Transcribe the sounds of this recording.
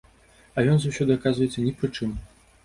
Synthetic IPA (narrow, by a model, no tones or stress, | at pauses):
ɐjɔnzawsʲɔd̪ɨɐkazvɐjɛt̪sːɐnʲɛpɾɨt͡ʂɨm